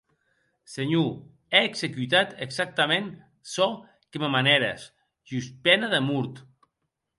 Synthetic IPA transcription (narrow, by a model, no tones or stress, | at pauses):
seɲu | ɛːksekyt̪at̪eksak̚t̪amẽn | sɔ | kememanɛɾḛs | ʒyspɛnaðemuɾt̪